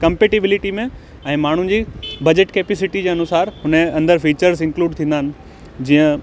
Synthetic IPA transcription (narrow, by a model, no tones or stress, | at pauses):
kɐ̃mpeːʈibɪlɪʈimẽ | ɛ̃ːmaːɳ̤ʊ̃d͡ʑiːbɐd͡ʑeʈkeːpesɪʈid͡ʑeːɐnʊsaːɾhʊnəɐ̃nd̪əɾfiːt͡ɕəɾzɪ̃ŋkluːɖt̪ʰĩːnd̪aɦɪnɪ̆ | d͡ʑiːə̃